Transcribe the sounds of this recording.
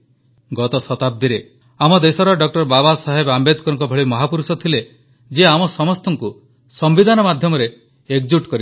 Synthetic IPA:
ɡɔt̪ɔsɔt̪ab̚d̪iɾe | amɔd̪esɔɾɔɖɔk̚ʈɔɾbabasaɦebambed̪kɔɾɔŋkɔbʱeɭimɔɦapuɾusɔt̪ʰile | d͡ʒeamɔsɔmɔst̪ɔŋku | sɔmbid̪ʱanɔmad̪ʱjɔmɔɾeː | kd͡ʒuk̚ʈkɔɾi

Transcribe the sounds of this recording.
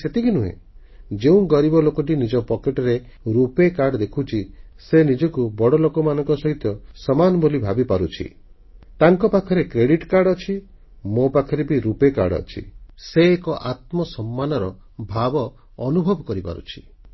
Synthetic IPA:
set̪ikinuɦḛ | d͡ʒeũɡɔɾibɔlokɔʈ̬inid͡ʒɔpɔkeʈɔɾe | ɾupekaɾɖɔd̪ekʰut͡ʃʰi | senid͡ʒɔkubɔɽɔlokɔmanɔŋkɔsɔɦit̪ɔsɔmanɔbolibʱabipaɾut͡ʃʰḭ | t̪aŋkɔpakʰɔɾekɾeɽiʈkaɾɽɔt͡ʃʰi | mopakʰɔɾebiɾupeka̰ɽɔ̰t͡ʃʰḭseːkɔʔat̪̚mɔsɔmːanɔɾɔ | bʱabɔː | nubʱɔbɔkɔɾipa̰ɾṵt͡ʃʰi̥

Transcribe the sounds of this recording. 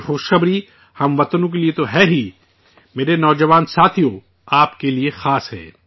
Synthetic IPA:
xoːʃxɐbɾi | hɐmʋɐt̪nõk̬eliet̪oɦɛːɦi | meːɾenɔːd͡ʒɐʋaːnsaːt̪ʰijo | aːpkeliexaːsɦɛ̰ː

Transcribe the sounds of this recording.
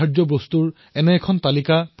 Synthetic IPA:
aɹdɔbost̪uɹ | ɛnɛkʰɔntalikap

